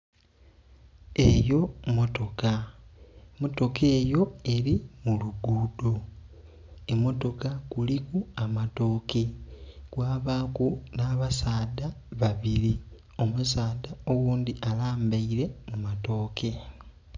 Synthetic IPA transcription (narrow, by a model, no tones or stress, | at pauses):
e̞jo̞mo̞to̞ka | mo̞to̞ke̞ːjo̞e̞ɾimuluɡuːdo | emo̞to̞kakulikuamato̞ːke̞kwaːβaːkunaːβasaːdaβaβiɾi | o̞musaːdao̞wuːnd̪iʔalaːmbaiɾe̞mumato̞ːkʰe̞